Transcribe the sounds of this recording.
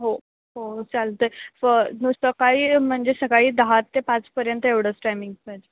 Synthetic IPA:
ɦo | ɦot͡salt̪əfənusəkaiːm̤əɳd͡zesəkaɭiːd̪əɦat̪ːepat͡spəɾjənt̪əeʋɽ̤əːt͡sʈajmiŋɡəd͡ʑe

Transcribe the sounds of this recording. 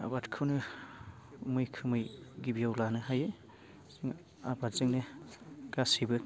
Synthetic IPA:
a̰watkʰɯwnɯ | mɯjkʰɯmɯjɡibijawlanɯɦajɯ | ŋ | a̰bazɯŋnɯɡ̥asibɯ

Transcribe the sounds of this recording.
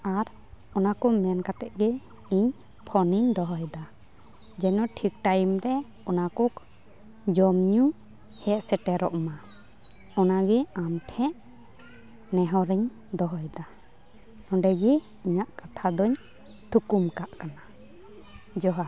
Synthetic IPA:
aɾ | ɔnakɔmɛnkat̪ɛʔ̚ɡɛ | iɲ | pʰɔniɲd̪ɔɦɔjd̪a | d͡ʒɛnɔʈʰik̚ʈajmɾɛ | ɔnakɔk | d͡ʒɔmɲu | hɛʔ̪sɛʈɛɾɔʔma | ɔnaɡɛamʈʰɛ̃ʔ | nɛɦɔɾɛɲ | d̪ɔɦɔjd̪a | nɔ̃ɖɛɡi | iɲaʔkat̪ʰad̪ɔɲ | t̪ʰukumkaʔkana | d͡ʒɔɦa

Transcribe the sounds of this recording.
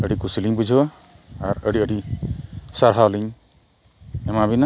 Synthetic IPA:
əɽikusiliɲbud͡ʒʱ | aɾəɽiəɽi | saɾɦaɔliɲ | ɛmabina

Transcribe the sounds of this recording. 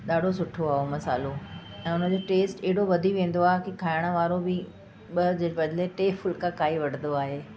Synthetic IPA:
ɗaːɖʱos̬ʊʈʰoaːɦomɐsa̰ːloɛ̃ːʊn̤ə̆d͡ʑoːʈeːsʈeɦɪɽoʋɐd̪ʱiʋẽːn̆d̪oaːɦekikʰaːɪɽ̃ə̆ʋaːɾobɪ | ɓɐd͡ʑebɐd̪ʱleʈeːfʰʊlkʰãkʰaːiʋɐɽ̤ə̃nd̪oaːɦeː

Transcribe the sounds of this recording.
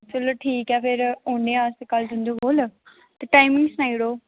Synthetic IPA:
səlʈʰiːkɛːpʰɪɾõːɳɖeːãːskəld̪ʊ̃nd̪oːboːl | t̪eːʈaːɪmɪ̃ŋɡsnaːiɽoː

